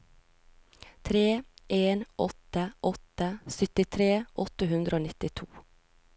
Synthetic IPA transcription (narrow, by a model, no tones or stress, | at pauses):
t̪ʰɾeːʔeːnʔɔt̪əʔɔt̪əsʏt̪ɪt̪ʰɾeːʔɔt̪əhʉnd̪ɾʔoːnɪt̪ɪt̪ʰuː